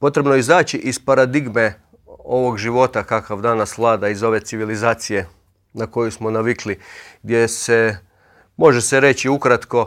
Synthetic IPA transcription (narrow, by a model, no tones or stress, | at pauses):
po̞t̪ɾe̞bnoeizaːt͡ɕiʔispaɾad̪iɡme̞ | o̞ʋo̞ɡʒiʋo̞t̪akakaʋd̪aːnasʋlˠaːd̪aizo̞ʋe̞t̪siʋilizaːt̪sije̞ | nako̞jusmo̞naʋikliɡd̪jese̞ | mo̞ʒese̞ɾe̞t͡ɕiukɾat̪ko̞